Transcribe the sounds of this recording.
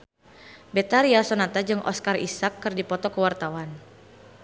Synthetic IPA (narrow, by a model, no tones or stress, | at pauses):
bɛt̪aɾiasonat̪ad͡ʒɨŋʔɔ̰skarḭsakːɨrdipɔt̪ɔkəwart̪awan